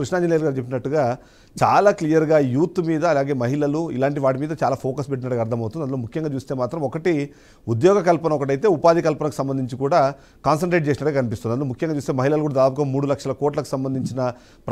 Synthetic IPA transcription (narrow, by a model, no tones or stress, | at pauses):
kɾuʂnaːɲd͡ʒɐlejɐɾɡaːɾt͡ʃepːinɐʈːuɡaː | t͡ʃaːlaːklijɐɾɡaːjuːt̪ːmiːd̪ɐːlaːɡe̞ːmɐɦiɭɐluḭlaːɳʈiʋaːʈ̬imiːd̪ɐt͡ʃaːlaːpʰoːkɐspeʈːinɐʈɐɡɐɾt̪ʰɐmɐwt̪ud̪iɐnɐloːmukʰjɐŋɡaːt͡ʃuːst̪e̞ːmaːt̪ɾɐmɔkɐʈi | ud̪jɔːɡɐkɐlpɐnɐmɔkɐʈ̬ɐjt̪e̞ːupaːd̪ʱikɐlpɐnɐkusɐmbɐnd̪iɲt͡ʃikuːɽaː | kaːns̬ɐɳʈɾeːʈ̚t͡ʃeːs̬inɐʈːɡkaɐkɐnipist̪und̪ind̪lomukʰjɐŋɡaːt͡ʃuːst̪emɐɦilɐlukuːɽad̪ːd̪aːp̬uɡaːmuːɽulɐkʂɐlɐkoːʈ̬lɐku̥sɐmbɐnd̪iɲt͡ʃinɐ | pɾ